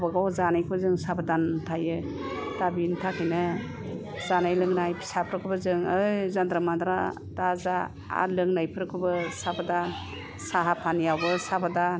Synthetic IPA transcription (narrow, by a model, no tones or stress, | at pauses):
baɡawzanajkʰuzɯŋsabadantʰajɯ | d̥abintʰakʰɯjnɯ | zanajlɯŋnajpʰi̥sapʰɾɯkʰɯbazɯŋɯjzandɾamandɾa̰ | daza | a̰lɯŋnajpʰɯɾɯkʰɯbɯsabadan | saɦapʰanjawbɯsabadan